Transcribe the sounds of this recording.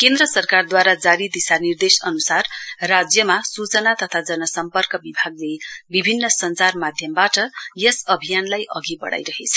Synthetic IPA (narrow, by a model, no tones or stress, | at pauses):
kend̪ɾʌsʌrkard̪waɾad͡zaɾid̪isanird̪esʌnusarːad͡zjʌmasut͡sʌnat̪ʌt̪ʰad͡zʌnʌsʌmpʌrkʌbibʱaɡlebibʱinːʌsʌnt͡sarmad̪ʱjʌmbaʈʌjʌsʌbʱijanlajʔʌɡibʌ̰ɽa̰jɾʌɦet͡sʰʌ̥